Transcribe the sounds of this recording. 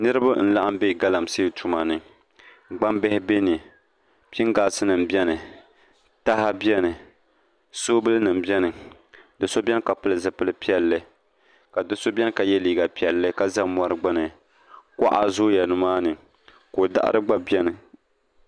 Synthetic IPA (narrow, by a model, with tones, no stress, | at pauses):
nɨ˦ɾɨ˦ba˦n̩˦la˦ʔa˦m˦be˦˨ɡa˦la˨mseː˦˨tu˨ma˨nɨ˨ | ɡ͡ba˦mbɛ˦hɪ˦be˦ni˨ | pi˦ŋɡaː˨sɨ˦nɨ˨m˨bɛ˦nɨ˨ | ta˦ha˦bjɛ˦nɨ˨ | soː˦bɨ˦lɨ˦nɨ˨mbjɛ˦nɨ˨ | dɨ˨so˦bʲɛ˦n˦ka˨pɨ˦lɨ˨zɨ˨pɨ˦lɨ˦pi˦ɛ˨lːɨ˦ | ka˨dɨ˦so˦bɛ˦n˦ka˨jɛ˦liː˨ɡa˨pi˨ɛ˨lːɨ˦ka˦˨za˦m˨a˦ɾɨ˦ɡ͡ba˦nɨ˨ | kʷa̰˦ʔa̰˨zʊ˦ja˨nʊ˨maː˦nɨ˨ | ko˨da̰˦ʔa̰˦ɾɨ˦ɡ͡ba˦bɛ˦nɨ˨